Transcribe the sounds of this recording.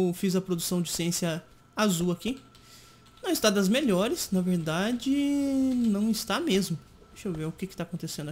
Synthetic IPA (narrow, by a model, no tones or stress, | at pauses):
wfizɐpɾod̪usɐ̃w̃d͡ʒɪsiẽsjɐ | azuɐki | nɐ̃w̃ɪst̪ad̪ɐzmeʎɔɾɪsnɐveɾd̪ad͡ʒɪnɐ̃w̃ɪst̪amezmʊ | dd̪eʃowveʊkɪkɪt̪aːkõnt̪esẽnd̪